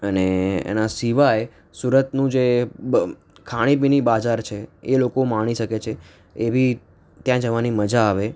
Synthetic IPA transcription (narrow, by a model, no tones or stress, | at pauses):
əneḛnasiʋaj | suɾət̪nũd͡ʒe | kʰaɽ̃ibinibad͡ʒaɾt͡ʃʰeelokomaɽ̃iʃəket͡ʃʰe | ebʱi | t̪jãd͡ʒəʋaniməd͡ʒaːʋe